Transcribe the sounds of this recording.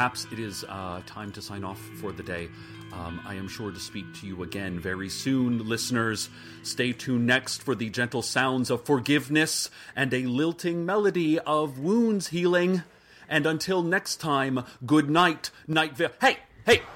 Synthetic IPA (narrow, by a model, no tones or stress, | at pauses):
æpsɨɾɪz̥tʰãɪ̃mtʰɨsãɪ̃nɔf | ə˞ðɨdeɪ | a̰ɪɨ̃mʃʊɹɾɨspik̚tʰɨjɨəɡɛ̃nvɛɹisʉ̃nlɪsnə˞z̥ | steɪtʰʉnɛkstfə˞ðɨd͡ʒɛ̃ntˡl̩ˠsãʊ̃ndzʌv̥fə˞ɡɪvnɨsʔɨ̃nɨlɪlˠtʰɪ̃ŋmɛlˠɨɾiʌvwũndz̥hilˠɪ̃ŋ | ʔɨ̃nə̃ntʰɪlˠnɛkstʰãɪ̃mɡʊdⁿnaɪtnaɪtvɪheɪheɪ